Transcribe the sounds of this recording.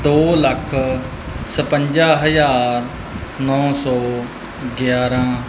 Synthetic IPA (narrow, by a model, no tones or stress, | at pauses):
d̪oːləkʰ | səpəɲd͡ʒaːɦəd͡ʒaːɾ | nɔ̃ːsɔː | ɡjaːɾãː